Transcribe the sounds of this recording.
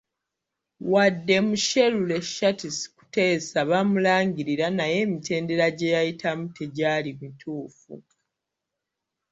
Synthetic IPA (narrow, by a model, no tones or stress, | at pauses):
wadːe̞muʃe̞lule̞ʃatisi̥ku̥te̞ːsaβamulaːŋɟiɾiɾanaje̞ːmite̞ːnde̞ɾaɟe̞jajitʰamutʰe̞ɟaːlimitʰuːfṵ